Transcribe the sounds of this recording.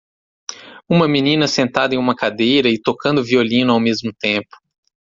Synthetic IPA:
ũmɐminĩnɐsẽnt̪ad̪ɐẽũmɐkad̪ejɾɐɪt̪okɐ̃nd̪ʊviolĩnʊawmezmʊt̪ẽmpʊ̥

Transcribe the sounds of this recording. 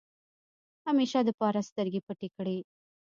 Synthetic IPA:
ɐmeːʃaːd̪ɐpaːɾast̪ɐɾɡipɐʈːikɐɽiː

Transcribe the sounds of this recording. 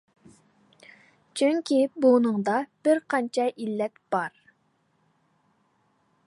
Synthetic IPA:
t͡ʃʰyŋkʲibunɨŋd̪ɑb̥ɪɾqʰɑnt͡ʃʰɑʔilːɛt̪b̥ɑɾ

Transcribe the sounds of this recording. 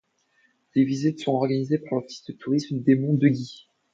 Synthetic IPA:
d̪̥evizit̪sɔ̃ɔʁɡanizepaʁlaʁt̪i̥st̪ət̪ʰuʁismd̪emɔ̃d̪əɡʲi

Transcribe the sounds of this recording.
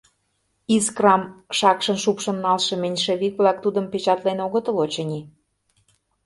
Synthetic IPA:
iskrɑmʃɑkʃə̆nʃupʃə̆nːɑlʃɤ̆menʲʃĕβik̚βlɑk̚t̪ud̪ə̆mpet͡ɕɑt̪lenoɣə̆t̪ə̆lot͡ɕɤnʲi

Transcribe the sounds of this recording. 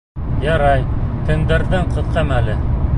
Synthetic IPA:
jɑɾɑjt̪ɘ̆ŋd̪æɾðɘɴqɤ̆ðqɑmælɘ

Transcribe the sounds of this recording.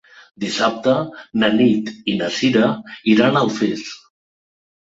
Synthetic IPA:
d̪isap̚t̪ənanit̪inasiɾəiɾanəlˠfes

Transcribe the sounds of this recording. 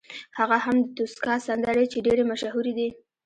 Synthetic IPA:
haɣaɦamd̪ət̪uskɑsand̪aɾet͡ʃeɖeɾemaʃahuɾed̪i

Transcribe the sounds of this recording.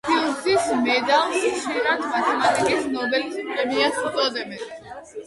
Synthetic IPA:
pʰilˠsismɛd̪alsʃiɾat̪ʰmat̪ʰɛmat̪ʼikʼisnɔbɛlispʰʼɾɛmiat̪up̪ʼɔd̪ɛbɛn

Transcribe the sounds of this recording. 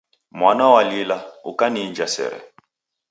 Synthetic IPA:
mwanawalilaukanind͡ʒasɛ̰ːɾɛ̰

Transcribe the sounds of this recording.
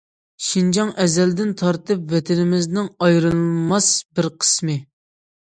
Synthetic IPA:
ʃind͡ʒɑŋʔɛzɛld̪ɪnt̪ʰɑɾt̪ɨpvɛt̪ʰɪnɪmɪznɪŋɑjɾɨlˠmɑsbɪɾqʰə̥smɨ

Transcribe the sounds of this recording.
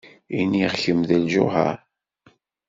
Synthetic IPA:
iniʁçəmðəlʒʊ̰ɦə̰ɾ

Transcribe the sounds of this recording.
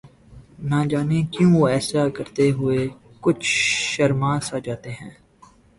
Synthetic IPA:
nãd͡ʒaːnekjũoɛːsakəɾt̪eɦʊe | kʊt͡ʃʰʃəɾmãːsad͡ʒaːt̪eɦɛ̃ː

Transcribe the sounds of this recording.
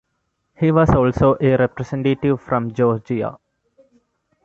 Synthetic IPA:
hiːʋɔzɔːlsoːʔeɾɛpɾesẽɳʈeʈiʋfɾɔ̃md͡ʒɔːɾd͡ʒia̰

